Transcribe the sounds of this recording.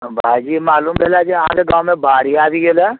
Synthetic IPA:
bʱaːd͡ʒiːmaːluːmbʱeːlad͡ʒiaã̰keɡãːwmẽbʱaːɽ̤iaːbiɡelɛ

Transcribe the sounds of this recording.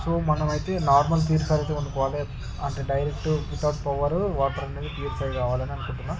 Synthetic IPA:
soːmɐnɐmɐjt̪e̞ːnaːɾmɐlt̪iːɾsaːlɐt̪eːuɳɖikɔːʋaːle | ɐɳʈeːɖɐjɾek̚ʈupit̪aːʈpɐʋɐɾuʋaːʈɐɾɐneːd̪ipiːeɾt͡ʃɐjkaːʋaːlɐniɐnukuɳʈunːaːm

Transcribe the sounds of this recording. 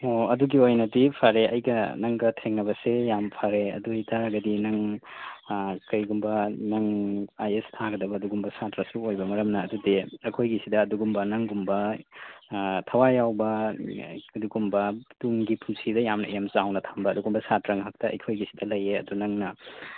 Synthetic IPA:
oɐduɡiojnɐtipʰaɾeʔɐ̰jɡɐnɐŋɡɐtʰeŋnɐβɐsejampʰaɾeɐ̰dujtʰaɾɐɡɐdinɐŋ | kɐjɡumbɐnɐŋajestʰaɡɐdɐbɐɐduɡumbɐsatɾɐsuojbɐmɐɾɐmnɐːdudeɐkʰojɡisidɐːduɡumbɐnɐŋɡumbɐ | tʰɐwajawbɐ | ɐduɡumbɐduŋɡipʰumsidɐjamnɐ̰ijamsawnɐtʰambɐɐduɡumbɐsatɾɐŋɦɐk̚tɐɐ̰jkʰojɡisi̥dɐlɐjeɐ̰dunɐŋnɐ

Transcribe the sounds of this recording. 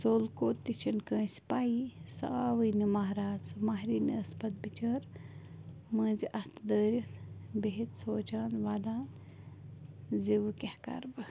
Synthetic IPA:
soːlkoːt̪ːit͡ʃʰinkə̃ːspaːisɐ̰aːʋɨjnimaɦɾaːzmaːɦɾiːnḭɐspɐt̪̚bit͡ʃəɾ | mə̃ːziʔɐht̪ʰd̪əːɾibeɦit̪soːt͡ʃaːnʋaːd̪aːn | ziʋɨkʲɐhka̰ɾbɨ

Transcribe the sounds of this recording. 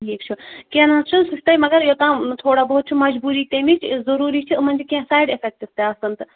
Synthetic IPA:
eːkt͡ʃʰukẽnãt͡ʃʰunsisʲt̪ɐjmɐɡɐɾjot̪ãːt̪ʰoːɽabɐɦut̪̚t͡ʃʰimɐd͡ʒbuːɾiːt̪emit͡ʃʰzɐɾuːɾit͡ʃʰimɐnd͡ʒikãsaːjɖefʰek̚ʈist̪eɐsɐnt̪

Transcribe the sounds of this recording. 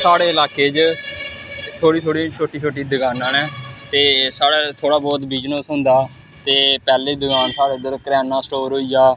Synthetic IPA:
saːɽeːɪlaːkeːd͡ʒ | t̪ʰoːɽiːt̪ʰoːɽiːt͡ʃʰoːʈiːt͡ʃʰoːʈiːd̪əɡaːnãːnɛ̃ːt̪eːsaːɽaːt̪ʰoːɽaːbɔːt̪biːd͡ʒnõːsɦʊ̃nd̪aː | t̪eːpɛːleːd̪əɡaːnsaːɽeːd̪əɾkəɾɛːnãːsʈoːɾɦoiːd͡ʒaː

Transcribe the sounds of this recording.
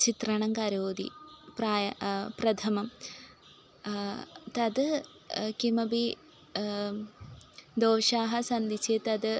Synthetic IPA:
t͡ʃit̪rɐɳɐŋkɐɾoːd̪ḭpraːjɐprɐt̪ʰɐmɐm | t̪ɐd̪ɨ | kimɐbi | d̪oːʂaːɦɐsɐnd̪it͡ʃet̪ɐd̪ɨ

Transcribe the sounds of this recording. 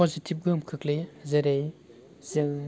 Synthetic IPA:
ɔzitʰip̚ɡɯmkʰɯklezeɾej | zɯ

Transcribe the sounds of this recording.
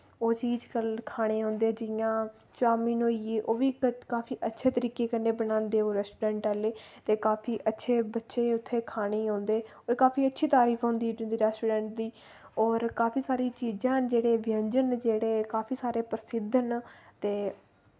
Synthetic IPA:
oːt͡ʃiːd͡ʒkəlkʰaːɽ̃eːɦõːnd̪eːd͡ʒɪjãː | t͡ʃʊaːmĩːnoːieːʔoːʋiːkaːpʰiːʔətːʃʰeːt̪əɾiːkeːkənːeːbənãːnd̪eːoːɾɛːsʈuːɖɛ̃ːɳʈaleːt̪eːkaːpʰiːʔətːʃʰeːbətːʃeːʊt̪ʰːeːkʰaːɽ̃eːɦõːnd̪eːoːɾkaːpʰiːətːʃʰiːt̪aːɾiːpʰɦõːnd̪iːnd̪iːɾɛːsʈuːɖɛ̃ːɳʈ̚d̪iː | ɔːɾkaːpʰiːsaːɾiːt͡ʃiːd͡ʒãːd͡ʒeːɽeːʋɪəɲd͡ʒənd͡ʒeːɽeːkaːpʰiːsaːɾeːpəɾəsɪd̪ʱənt̪eː

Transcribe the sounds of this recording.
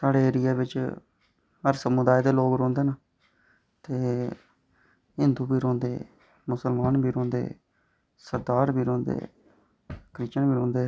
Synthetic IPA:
saːɽeːeːɾɪjaːbɪt͡ʃ | ɦəɾsəmud̪aːiːd̪eːloːɡɾɔ̃ːnd̪eːnaː | t̪eː | ɦɪnd̪uːbiːɾɔ̃ːnd̪ḛː | mʊsəlmaːnbiːɾɔ̃ːnd̪ḛː | səɾd̪aːɾbʱiːɾɔ̃ːnd̪ḛː | kɾɪt͡ʃəɳbiːɾõːnd̪eː

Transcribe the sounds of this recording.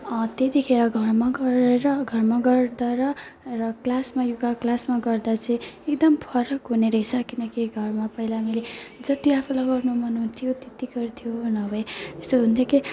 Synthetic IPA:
ʌt̪et̪ikʰeɾʌɡʱʌrmaɡʌɾeɾʌɡʱʌrmaɡʌrd̪aɾʌrʌklasmajuɡaklasmaɡʌrd̪at͡sʌĩekd̪ʌmpʰʌɾʌkɦuneɾʌisʰʌkinʌkiɡʱʌrmapʌɦilamiled͡zʌt̪iapʰulaɡʌrnumʌnɦunt̪ʰijot̪et̪iɡʌrt̪ʰijonʌbʱʌẽest̪oɦunt̪ʰjoki

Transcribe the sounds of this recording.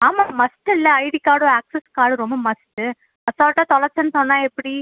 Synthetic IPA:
aːmaːmɐsʈɯɪlːɐɐɪɽikaːɽõaːksɛskaːɽɯɾɔmbɐmɐsʈɯ | ɐsaːʈːaːt̪ɔlɐɾt͡ʃːɐnːɯsɔnːãːɛpːɐɽi

